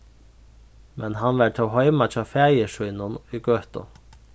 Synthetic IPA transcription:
mɛnhɑnʋæːʈ̪ʰoːhœʏmɑt͡ʃʰɑːfæːjəʃʉːnʊnyːɡøt̪ɔ̰

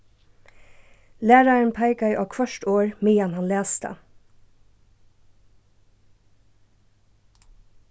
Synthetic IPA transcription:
læːɾɑən̩pʰæɪkɑiʔɑːkʰʋœʃʈoːɹmiːjɑnhɑnleːst̪ə̰

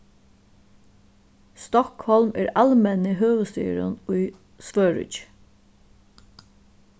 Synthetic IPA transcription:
st̪ɔkhɔlmæ̰ːɾalmɛnɪɦøːʋəst̪y̰ːɾʊ̰nʊj | sʋøːɹʏ̰t͡ʃ

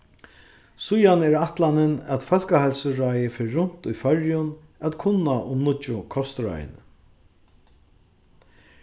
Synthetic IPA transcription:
sʊjanɛːɾaht̪lanɪnæt̪fœl̥kahalsəɹajɪfeːʊn̥t̪ʊjfœɹjʊn | at̪kʰʊnːaʔʊmnʊt͡ʃːʊkʰɔst̪ɾa̰j̰nə̰

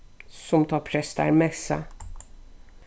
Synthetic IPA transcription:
sɔmt̪ʰɑːpʰɾɛsd̪æ̰ɾmɛsə̰

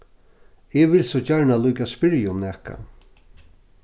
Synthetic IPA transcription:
ɪʋɪlsɔt͡ʃaɹɳalujkaspɪɾjʊmnɛhka̰

